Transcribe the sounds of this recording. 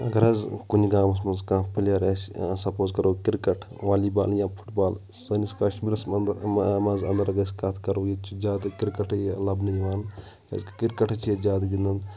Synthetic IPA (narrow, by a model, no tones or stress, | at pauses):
ɐɡɐɾɐzkuniɡãːmɐs̬mɐnzkãːpʰilɐɾɐssɐpoːzkɐɾoːkɪɾkɐʈʰ | ʋaːliːbaːljãːpʰu̥ʈbaːl | sɐniskaʃbilɐs | mɐzɐnd̪ɐɾɐɡɐskɐt̪ʰkɐɾoːjit͡ʃud͡ʒaːd̪kɪɾkɐʈʰlɐbnɐjʋaːn | kɐ̰zkkiɾkɐʈʰt͡ʃid͡ʒʲaːd̪ɡind̪ɐn